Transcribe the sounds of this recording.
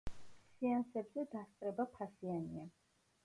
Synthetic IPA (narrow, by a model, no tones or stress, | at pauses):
siansɛbzɛd̪ast̪sʼɾɛbapʰasianḭa